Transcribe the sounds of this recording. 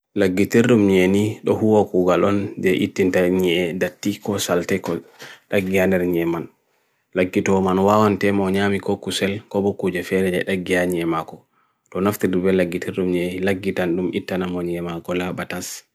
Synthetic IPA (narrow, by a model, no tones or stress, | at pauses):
laɡːitiɾɗumɲeniɗɔhuwakuɡalɔnd͡ʒɛʔitːintaɲɛɛdatːikɔsaltɛkɔɗaɡːianɛɾɲɛman | laɡːitɔmanwawantɛmɔɲaːmikɔkusɛlkɔbɔkud͡ʒɛfɛdɛd͡ʒɛ̰ɗaɡiaɲiɛmakɔ | tɔnaftidibɛlaɡːitiɾɗumɲenilaɡːitanɗumitːanamɔɲɛmakɔlabatas